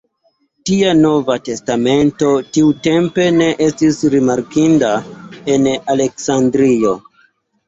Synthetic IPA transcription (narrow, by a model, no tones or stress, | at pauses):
tiano̞vate̞stame̞nto̞tiute̞mpe̞ne̞ʔe̞stisɾimaɾkindae̞nale̞ksandɾio̞